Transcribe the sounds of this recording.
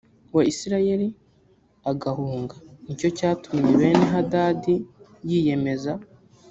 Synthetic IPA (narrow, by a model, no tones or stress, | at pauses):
waisiɾaje̞ɾi | aɡahuːŋɡanico̞caːtumɲe̞βe̞ːne̞ɦadaːdijije̞me̞za